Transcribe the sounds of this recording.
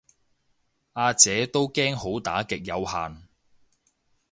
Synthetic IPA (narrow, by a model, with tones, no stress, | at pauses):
aː˧t͡sɛː˨˥t̪o˥wkɛː˥ŋho˨˥wt̪aː˨˥kɪ˨k̚jɐ˨˧whaː˨n